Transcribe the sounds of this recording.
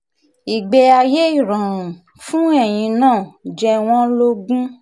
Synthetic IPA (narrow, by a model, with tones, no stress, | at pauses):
i˨ɡ͡bɛ˧a˧je˦i˦˨ɾã˨ɾ̃ũ˨ | fũ˦ɛ˦˨j̃ĩ˧nãː˦˨d͡ʒɛ˧w̃ɔ̃˦lo˦ɡũ˦